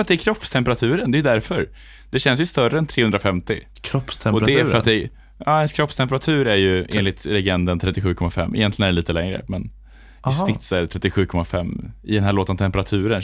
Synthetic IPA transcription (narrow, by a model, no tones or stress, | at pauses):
ɾat̪̚d̪ɛæɾkʰɾɔpːst̪ʰɛmpəɾat̪ʰʉ̟ːɾənd̪ɛjʏd̪æɾfœɾ | d̪̥ɛɕɛns̬jɵst̪œɾəɛnt̪ʰɾeːhɵnd̪ɾafɛmt̪ɪ | kʰɾɔpst̪ʰɛmɔɛɾfœɾat̪̚d̪ɛ | ɑːɛnskʰɾɔpst̪ʰɛmpəɾat̪ʰʉ̟ːɾæɾjɵeːnlɪt̪lɛɡɛnd̪ənt̪ʰɾɛt̪ːɪɧʉ̟ːkʰɔmːafɛ̰mːɪ̰jɛnt̪lɪɡənɖɛliːt̪əlɛŋɾə̰mɛn | sɪt̪sɛɾt̪ʰɾɛt̪ːɪɧʉ̟ːkʰɔmːafɛmːɪd̪ɛnɦæːɭoːt̪ənt̪ʰɛmpəɾat̪ʰʉ̟ːɾən